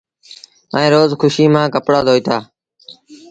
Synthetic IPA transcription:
ə̰̃ːɾoːzxʰʊʃiːmãːkəpɽaːd̪ʱoːiːt̪ʰaː

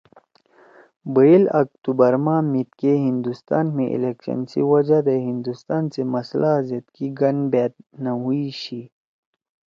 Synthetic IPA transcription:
bəilɐ̰k̚t̪ubɐɾmaːmit̪̚keɦind̪ust̪aːnmẽʔḭlekɕɐ̰nsḭwɐd͡ʑad̪eɦĩnd̪ust̪aːnsemɐslʔazɐt̪kiɡɐnbeːt̪̚naɦuiɕi

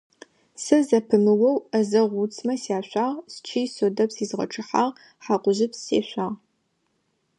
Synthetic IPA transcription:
sɐzɐpʰɨmɨwɐwɐzɐʁʷut͡sʰmɐsjaːɕʷaːʁst͡ʃʰijsoːdɐpsiːzʁɐ̰ʈ͡ʂʰɨħaːʁ | ħaːqʷʊʑɪpsḛːɕʷaːʁ

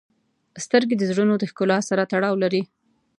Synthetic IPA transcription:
st̪əɾɡed̪əzɽunod̪əxkʊlɑsaɾat̪aɽɑwlaɾi

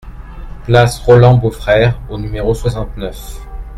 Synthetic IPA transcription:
ɡ̥lasʁɔlɑ̃bofχɛʁonymeʁoswasɑ̃t̪nœf

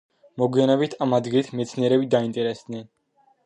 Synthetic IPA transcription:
mɔɡwianɛbit̪ʰamad̪ɡilit̪ʰmɛt̪sʰniɛɾɛbid̪aint̪ʼɛɾɛsd̪nɛn

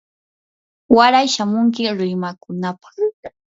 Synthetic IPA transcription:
waɾajʃamʊŋk̬ɪɾʊjmakʊnapḁɾʊɾaŋ

